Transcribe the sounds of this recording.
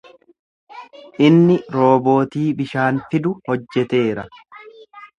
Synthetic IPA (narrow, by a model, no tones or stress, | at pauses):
ʔɪnːɪɾo̞ːbo̞ːt̪iːbɪʃaːnfɪd̪ʊhɔd͡ʒːɛt̪e̞ːɾɐ